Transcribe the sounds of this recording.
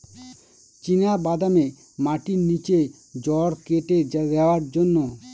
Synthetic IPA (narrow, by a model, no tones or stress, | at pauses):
t͡ɕinabad̪ame | maʈinit͡ɕe | d͡ʑɔɾkeʈed̪eoaɾd͡ʑonːo